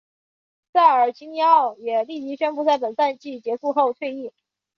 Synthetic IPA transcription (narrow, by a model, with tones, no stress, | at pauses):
t͡sa˥˩ɪə˞˨˩t͡ɕi˥ŋi˥ɑ˥˩ʊjɛ˨˩li˥˩t͡ɕi˧˥ɕɥɛ˥npu˥˧t͡sa˥˩ɪpə˨˩nsa˥˧nt͡ɕi˥˩t͡ɕjɛ˧˥su˥˧xo˥˧ʊt̪ʰwe˥˧ɪi˥˩